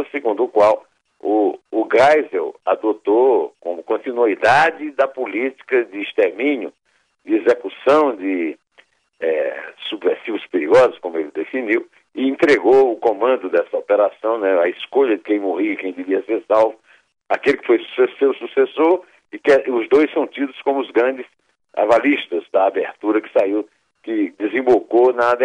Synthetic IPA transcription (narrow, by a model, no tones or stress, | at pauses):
sɪɡũnd̪ʊːkwaw | ʊːɡajzewa̰d̪ot̪okõ̰mʊkõnt̪inuid̪ad͡ʒɪd̪ɐpulit͡ʃi̥kɐd͡ʒ̪ɪːst̪eɾmĩɲʊ | d͡ʒ̪ɪezekusɐ̃w̃d̪ɪ | ɛsubveɾsivʊspeɾiɡɔzʊskõmʊelɪd̪efiniw | ɪẽnt̪ɾeɡowʊkõmɐ̃nd̪ʊd̪ɛsɐopeɾasɐ̃w̃nɛɐɪskoʎɐd͡ʒɪkẽj̃mohikẽj̃d̪ɪviɐseɾsawvʊ | akelɪkɪ̥fojsu̥sesewsusesoɾ | ɪkɛʔʊzd̪ojssɐ̃w̃t̪id̪ʊskõmʊʊzɡɾɐ̃d͡ʒɪs | a̰valiʃt̪ɐzd̪ɐabeɾt̪uɾɐkɪ̥saiw | kɪd̪ɪzẽbokonad̪